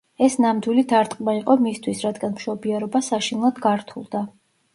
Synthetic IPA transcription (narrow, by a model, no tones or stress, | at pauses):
ɛsnamd̪wilid̪ʰaɾt̪ʼqʼmaiqʼɔmist̪ʰwisɾad̪ɡanmʃɔbiaɾɔbasaʃinlˠad̪ɡaɾt̪ʰṵlˠd̪a